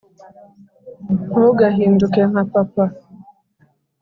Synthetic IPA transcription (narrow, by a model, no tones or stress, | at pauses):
oɡaɦin̩dʊkeɦapapa